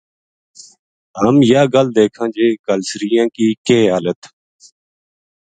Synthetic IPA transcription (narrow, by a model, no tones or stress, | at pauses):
ɦəmjaːɡəld̪eːkʰãːd͡ʒeːkəlsɾiːjãːkiːkeːɦaːlət̪